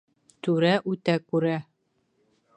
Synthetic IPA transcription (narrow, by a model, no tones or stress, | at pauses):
t̪ʉɾæʔʉt̪ækʉɾæ